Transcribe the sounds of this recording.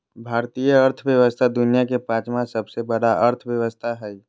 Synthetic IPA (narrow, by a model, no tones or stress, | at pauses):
bʱaːɾt̪ijəːɾt̪ʰʋjəʋəst̪ʰad̪ʊnijakepãːt͡ʃmãsɐbsebɐɽaɐɾt̪ʰʋjəʋəst̪ʰaɦɛi